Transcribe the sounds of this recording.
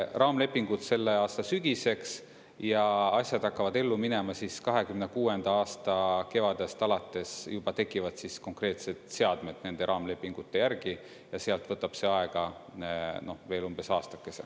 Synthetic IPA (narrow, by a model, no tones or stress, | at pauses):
rɑːmle̞pːˑiŋɡ̥ud̪̥se̞lːe̞ɑːst̪ɑsyɡ̥ise̞ks | jɑɑsʲjɑd̪̥hɑkːɑvɑd̪e̞lːumine̞mɑsiskɑɦe̞kymnekuːe̞nd̪̥ɑɑːst̪ɑke̞vɑd̪̥e̞st̪ɑlɑt̪ːˑe̞sjub̥ɑt̪e̞kːˑivɑd̪̥sisko̞ŋkre̞ːt̪se̞d̪̥se̞ɑd̪me̞d̪̥ne̞nd̪e̞ɾʔɑːmle̞pːˑiŋɡ̥ut̪ːe̞jærɡ̥i | jɑseɑlt̪ˑv̥ɤt̪ːˑɑb̥se̞ɑe̞ɡ̥ɑ | no̞hveːlumb̥e̞sɑːst̪ɑ̥kːˑe̞se